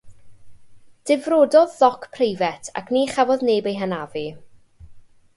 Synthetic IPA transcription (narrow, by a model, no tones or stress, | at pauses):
d̥ɪvroːdɔðːɔkʰpʰrejvɛtʰa̰kʰniχavɔðneːbejɦənavi